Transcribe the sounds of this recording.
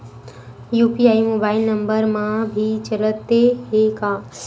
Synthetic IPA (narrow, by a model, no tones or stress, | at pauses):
juːpiaːimoːbaːɪlnə̃mbəɾmãbʱit͡ʃələt̪ːeɦekãː